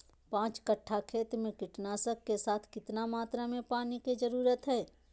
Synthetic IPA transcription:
pãːt͡ʃkəʈʰːakʰeːt̪mẽkɪʈnaːsəkːesaːt̪ʰkɪt̪namaːt̪ɾamẽpaːnikid͡ʒəɾuːɾət̪ɦɛː

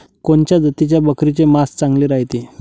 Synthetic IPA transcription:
koɳt͡ɕjad͡zət̪it͡ɕjabəkɾit͡semast͡sãŋɡleɾaɦjt̪i

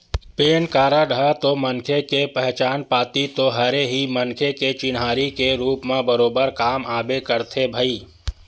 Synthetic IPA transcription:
peːnkaːɾaɖʱət̪omənkʰekepɛɦt͡ʃaːnpaːt̪it̪oɦɐɾeɦimɐŋkʰeket͡ʃɪnɦaːɾikeɾuːpmẽbəɾoːbəɾkaːmaːbekəɾt̪ʰebʱəiː

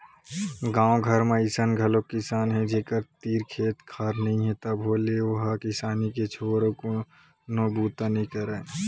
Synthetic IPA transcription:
ɡãːõɡʱəɾmẽɪsənɡʱəlokɪsaːnɦɛ̃d͡ʒeːkəɾt̪iːɾkʰeːt̪kʰaːɾnəɦĩɦɛ̃t̪əbɦoleʋəɦkɪsaːniket͡ʃʰoːɾõko | nobuːt̪anĩkəɾeː

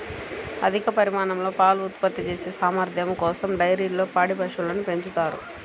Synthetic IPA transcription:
ɐ̰d̪ʱikɐpɐɾimaːɳɐmlo̞ːpaːluut̪pɐt̪ːit͡ʃe̞ːseːsaːmɐɾd̪ʱjɐmkɔːsɐmɖɐjɾiːlo̞ːpaːɽibʱɐʂulɐːnupe̞ɲt͡ʃut̪aːɾṵ

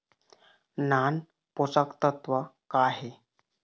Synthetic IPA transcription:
nan | pot͡səkt̪ət̪ʋəkaɦe

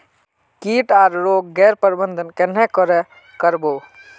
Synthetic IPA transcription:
kiʈaɾɾoɡːɛːɾpəɾbənd̪ʱənkenɛkəɾɛ | kəɾbo

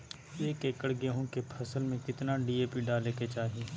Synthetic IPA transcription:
eːkeːkəɽɡeɦõkepʰɐsəlmẽkɪt̪naɖiːeːpiɖaːleːket͡ʃaːɦieː

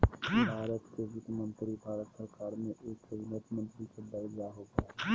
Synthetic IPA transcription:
bʱaːɾət̪kezʊk̪mə̃nt̪ɾibʱaːɾət̪səɾkaːɾmẽʔeːkɪʋnət̪mə̃nt̪ɾikəbalijaɦoːɡaɦ

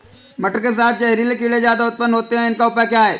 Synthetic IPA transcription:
mɐʈəɾkes̬aːt̪̚ʰt͡ʃɛɦɾiːlekilezjaːd̪aʊt̪̚pənɦoːt̪eɦɛ̃ɪnkaʊpakjaːɦɛː

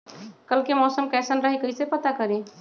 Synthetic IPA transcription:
kəlkemɔːsəmkɛːsənɾəɦikəisepət̪akəɾẽ

